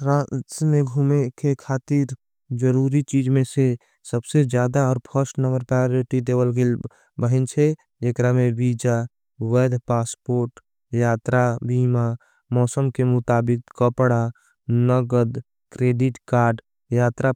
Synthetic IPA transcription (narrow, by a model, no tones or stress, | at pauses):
ɾãːt͡ʃmẽɡʱumekekʰaːt̪iɾ | d͡ʒəɾuːɾit͡ʃiːd͡ʒmẽse | səbsed͡ʒjaːd̪aɔːɾpʰəɾsʈnəɡəɾpajoɾɪʈid̪eːwəlɡel | bəɦɪnt͡ʃʰe | ekɾamẽbiːd͡ʒa | wəːd̪paːspoːɾʈ | jaːt̪ɾabiːma | mɔːsəmkemʊt̪aːbɪkkəpɽa | nəɡəd̪ | kɾeːɖɪʈkaːɾɖ | jaːt̪ɾa